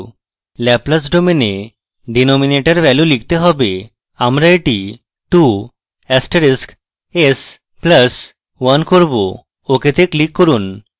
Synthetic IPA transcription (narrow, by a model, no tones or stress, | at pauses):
lɛpləs̬ɖomene | ɖinɔmineʈəɾʋɛlulik̚t̪eɦɔbe | amɾaeʈi | ʈu | ɛsʈeɾisk | es | pləs | wankoɾbo̰ | oket̪eklikːoɾun